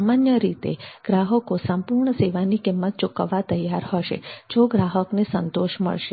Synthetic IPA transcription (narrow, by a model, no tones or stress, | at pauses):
amanjəɾit̪ḛɡ̥ɾaɦəkosəmpuɾɳəseʋanikimːət̪̚t͡ʃʊkəʋːat̪əjːaɾɦəʃḛd͡ʒoɡɾaɦəknesənt̪oʃmə̰ɭʃe